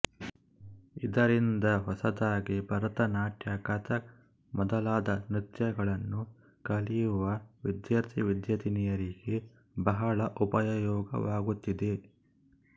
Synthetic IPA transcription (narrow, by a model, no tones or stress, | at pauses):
id̪ɐɾind̪ɐɦɔsɐd̪aːɡibʱɐɾɐt̪ɐnaːʈjɐkɐt̪ɐ | mɔd̪ɐlaːd̪ɐnɾit̪jɐɡɐɭɐnːu | kɐlijuʋɐʋid̪jaɾt̪ʰiʋid̪jɐd̪inijɐɾiɡe̞ | bɐɦɐɭɐʔupɐjjɔːɡɐ̰ʋaːɡut̪ːid̪e̞